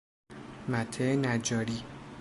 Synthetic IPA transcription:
mæt̪ʰːenæd͡ʒɒːɾiː

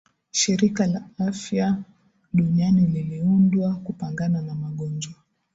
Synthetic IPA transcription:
ʃiɾikalaafja | ɗuɲianililiundwakupaŋɡananamaɠɔnd͡ʒwa

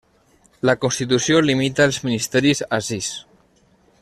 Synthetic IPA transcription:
lakonst̪it̪̬usjolimit̪aːlzminist̪ɛɾizasis

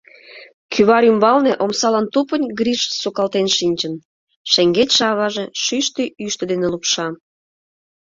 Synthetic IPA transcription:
kʰyβɑɾymbɑlneʔomsɑlɑnt̪upənʲɡɾiʃsukɑlt̪enʃinʲt͡ɕən | ʃeŋɡetʲʃɑβɑʒeʃyʃt̪iyʃt̪əd̪enelupʃɑ

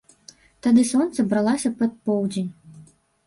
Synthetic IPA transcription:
t̪ad̪ɨsɔnt̪sɐbɾalˠasʲɐpɐt̪̚pɔwd͡zʲenʲ

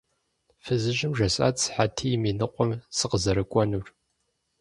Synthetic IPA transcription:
fɨzɨʒɪmʒɐɕʼa̰ːt͡sʰħatʰiːjmiːnɨqʷɔmsɨqəzɐɾɨkʷʼɔnuːr

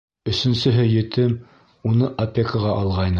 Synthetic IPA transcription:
ɵ̆sɵ̆nsɵ̆ɦɘjɵ̆t̪ʰɘm | unɤʔopʲːekəʁɑʔɑlˠʁɑjnɤ

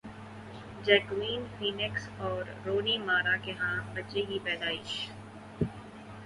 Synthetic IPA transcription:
d͡ʒɛːkwiːnfiːnɪksɔːɾːoːnimaːɾakeɦãbɐt͡ʃeɦipɛːd̪aːiː

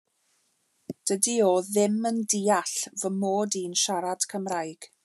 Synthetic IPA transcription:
d̥ədioðɪməndiːaɬvəmoːdiːnʃaɾad̥kʰəmrajɡ̥

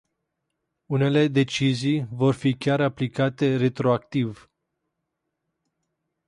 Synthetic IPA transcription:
une̞le̞d̪e̞t͡ʃizijvo̞rfikʲaɾaplikat̪e̞re̞t̪ɾo̞akt̪iv

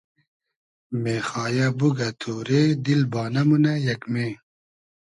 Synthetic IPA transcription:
meːxaːjɐbuɡɐt̪ʰoːɾeːd̪ilbaːnɐmunɐjɐkmeː

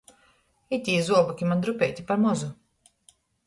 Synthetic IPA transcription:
it̪ʲiːzuɔbɔkʲimand̪ɾupʲɛjt̪ʲipaɾmɔzu

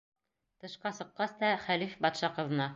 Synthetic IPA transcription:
t̪ɤ̆ʃqɑsɤ̆qːɑst̪ɑχælifbɑt̪ʃɑqɤ̆ðɤ̆nɑ

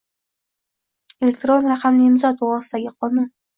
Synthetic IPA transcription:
elʲe̞kt̪ɾonɾaqʰamnɪɪmzɒt̪oʁɑsɨd̪aɡʲɪqʰɒnun

